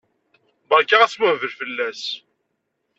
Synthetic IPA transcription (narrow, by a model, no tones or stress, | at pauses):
bəɾkaʁæswævəɾfəlːæs